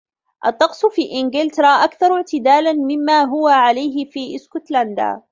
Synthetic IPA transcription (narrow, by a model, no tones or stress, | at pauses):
ʔɑt̪ˤːɑqsˤfiːʔɪnɡɪlt̪ɾˤaːʔakθɑɾˤʊʕt̪ɪd̪aːlanmɪmːaːɦʊwaʕalajɦɪfiːʔɪskʊt̪land̪a̰ː